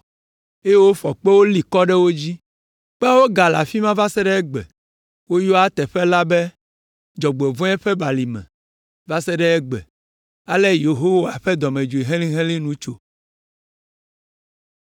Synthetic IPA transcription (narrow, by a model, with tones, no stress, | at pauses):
e˦jwo˦fɔ˨k͡pe˦wo˦li˨kɔ˦ɖɛ˦wo˦d͡ʑi˦ | k͡pɛ˦a˦wo˦ɡa˨la̰˨fi˦mã˦va˦sɛ˦ɖɛ˦ɛ˦ɡ͡bɛ̰˨ | wo˦jɔ˦a˦t̪ɛ˨ɸɛ˦la˦bɛ˦ | d͡ʒɔ˨ɡ͡bɛ˨vɔ̃˦ɛ˦ɸɛ˦ba˨li˨mɛ̰̃˨ | va˦sɛ˦ɖɛ˦ɛ˦ɡ͡bɛ̰˨ | a˦lɛ˦je˨ɦo˦wa˨ɸɛ˦d̪ɔ˨mẽ˨d͡ʒo˨i˨ɦɛ̃˦lĩ˦ɦɛ̃˦lĩ˦nũ˦t͡ʃo˨